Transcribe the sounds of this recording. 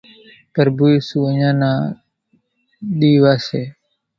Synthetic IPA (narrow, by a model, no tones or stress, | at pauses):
pəɾbuiːsuːəɲãːnãː | ɗiːʋaːseː